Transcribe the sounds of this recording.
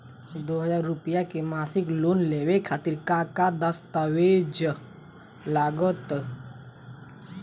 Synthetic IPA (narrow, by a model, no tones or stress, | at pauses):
d̪oːɦəd͡ʒaːɾːʊpəjakemaːsɪkloːnlewekʰaːt̪ɪɾkakad̪əst̪awed͡ʒ | laːɡət̪